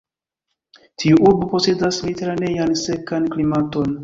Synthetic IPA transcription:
tʰiuʔuɾbupo̞se̞dasliteɾane̞janse̞kanklimato̞n

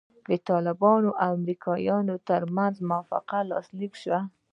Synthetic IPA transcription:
d̪ət̪ɑlɪbɑnoʔawamɾikʰɑjɑnot̪əɾmanzmʊafa̰qalɑ̰slikʃwa

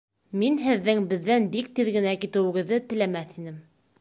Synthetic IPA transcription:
minɦɘ̆ðːɘŋbɘ̆ðːænbik̚t̪iðɡɘ̆nækit̪ɘ̆wɘ̆ɡɘ̆ðːɘt̪ɘ̆læmæθinɘm

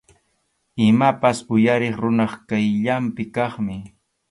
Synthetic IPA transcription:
ɪmapasʊjaɾɪχɾʊnɑχkajʎampɪkɑχmɪ

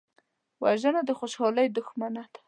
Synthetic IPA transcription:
waʒənad̪əxoʃhɑləjd̪ʊxmanad̪ḁ

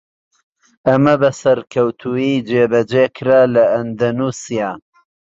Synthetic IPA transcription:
ɐmɐbɐsɐɾkʰɐwt̪ʰuiːd͡ʒeːbɐd͡ʒeːkʰɨɾaːlɐʔɐnd̪ɐnuːsijaː

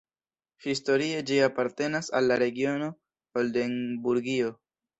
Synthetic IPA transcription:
histo̞ɾie̞d͡ʒiapaɾte̞nasa̰lːaɾe̞ɡio̞no̞ | holde̞nbuɾɡio̞

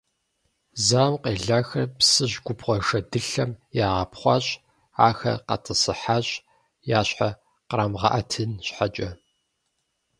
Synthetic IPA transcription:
zaːwqeːɮaːxɐrpsɨʑɡʷʊpʁʷɔʂɐdɨɬɐmjaːʁɐpχʷɑɕʼ | aːxɐ̰qɐ̰tʰɨsɨħaːɕʼ | jaːɕħa | qɾaːmʁɑ̰ʔɐtʰɨnɕħat͡ʃʼɐ

